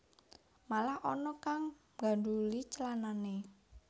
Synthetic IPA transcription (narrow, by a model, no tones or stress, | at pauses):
malahʔɔnɔkaŋ | ɡa̤dulit͡ʃəlanane